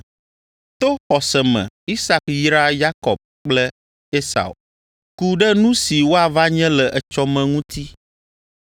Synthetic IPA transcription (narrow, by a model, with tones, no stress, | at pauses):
t̪o˦xɔ˨sɛ˨mɛ̰̃˨i˦sa˦˨kji˦ɾa˦ja˦kɔ̰˨b̚k͡plɛ˦ | e˦sa̰˨o̰˨ | ku˦ɖɛ˦nũ˦si˨wo˦a˨va˦ɲɛ̃˦lɛ˨ʔɛ˨t͡ʃɔ˦mɛ̃˨ŋũ˦t̪ʰi˦